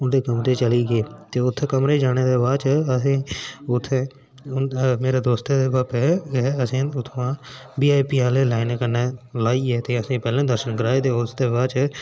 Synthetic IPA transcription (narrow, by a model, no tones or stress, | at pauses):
ʊnd̪eːkəmɾeːt͡ʃəliːɡeːt̪eːʊt̪ʰːkəmɾeːd͡ʒaːɽ̃eːd̪eːʋaːt͡ʃəsĩːʊt̪ʰːeː | meːɾeːd̪oːst̪eeaːpɛɛːəsĩːʊt̪ʰːʋãːbiːaːjpiːaːleːlaːɪnːkəneːlaːiːɛːt̪eːəsĩːpɛːlẽːd̪əɾʃənkəɾaːeːt̪eːʊsd̪eːʋaːt͡ʃ